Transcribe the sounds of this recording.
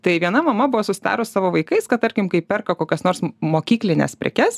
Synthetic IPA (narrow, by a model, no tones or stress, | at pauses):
t̪ɐɪʋʲiɛnɐmɐmɐbʊʋoːsʊsʲɪd̪ɑ̰ːɾʊssɑːʋoːʋɐɪkɐɪskɐt̪t̪ɐɾʲkʲɪmkɐɪpʲɛrkɐkoːkʲɛsnoːɾsmoːkʲiːklʲɪnʲɛ̰spʲɾʲɛ̰kʲɛs